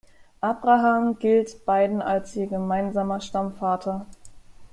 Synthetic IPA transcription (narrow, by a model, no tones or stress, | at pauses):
ʔabʁaɦaːmɡɪltb̥aɪdn̩alsʔiːɐɡəmaɪnzaːmɐʃtamfaːtʰɐ